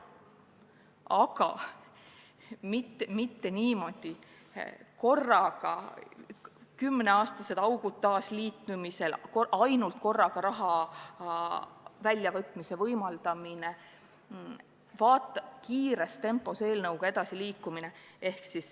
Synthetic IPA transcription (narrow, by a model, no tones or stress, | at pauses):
ɑɡ̥ɑ̰ | mit̪ːemit̪ːe̞niːmo̞d̪̥i | ko̞rːɑɡ̥ɑ̰ | kymːneɑːst̪ɑse̞d̪̥ɑwɡ̥ud̪̥̚t̪ːɑːsliːt̪ˑumise̞lkoʔɑjnult̪̚ko̞rːɑɡ̥ɑɾɑɦɑ | vælʲjɑvɤt̪ːˑmise̞vɤjmɑld̪̥ɑmine | vɑːt̪ːˑɑkiːɾest̪e̞mpːˑo̞se̞ːlnɤwɡ̥ɑe̞d̪̥ɑsiliːkːˑumine̞e̞hksis